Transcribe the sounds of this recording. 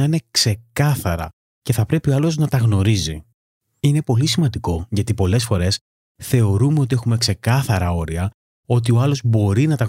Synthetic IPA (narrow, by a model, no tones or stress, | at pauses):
ɐine̞kse̞kɐθɐɾɐ̰ | ce̞θɐpɾe̞pio̞ɐlo̞znɐt̪ɐɣno̞ɾizi | ine̞po̞lisimɐnd̪iko̞ʝɐt̪ipo̞le̞sfo̞ɾe̞s | θe̞o̞ɾume̞o̞t̪ie̞xume̞kse̞kɐθɐɾɐo̞ɾiɐ | o̞t̪̬io̞ɐlo̞zbo̞ɾinɐt̪ɐ